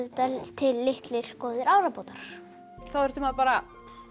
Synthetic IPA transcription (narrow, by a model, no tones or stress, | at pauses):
t̪at̪ʰɪlːɪht̪lɪɾ̥kɔːðɪɾawɾapoːt̪aɾ̥ | θawɛɾ̥ht̪ʏmaðpaːɾa